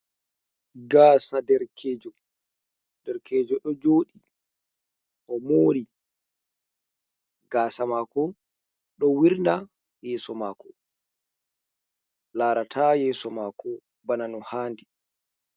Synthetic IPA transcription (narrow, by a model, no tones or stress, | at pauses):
ɡaːsadɛɾkʰeːd͡ʒɔ | dɛɾkɛːd͡ʒɔɗɔd͡ʒoːɗi | ʔɔmoːɾi | ɡaːsamaːkɔ | ɗɔwiɾna | jɛːsɔmaːkɔ | laːɾatʰajɛːsɔmaːkʰɔ | bananɔhaːndi